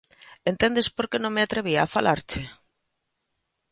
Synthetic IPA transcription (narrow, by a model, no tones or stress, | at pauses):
ent̪end̪espoɾkenõŋmeat̪ɾeβ̞iaːfalʔaɾt͡ʃe